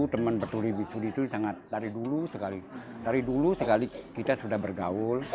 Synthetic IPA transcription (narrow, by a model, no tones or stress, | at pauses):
t̪əmənbərt̪ulibisudit̪usaŋat̪̚daɾidulusəkali | daɾidulusəkalikit̪asudahbərɡaʊl